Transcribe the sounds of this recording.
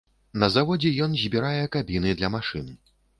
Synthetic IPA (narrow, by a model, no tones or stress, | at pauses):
nɐzavɔd͡zʲɛjɔnzʲbʲiɾajɛkabʲinɨd̪lʲɐmaʂɨnɨ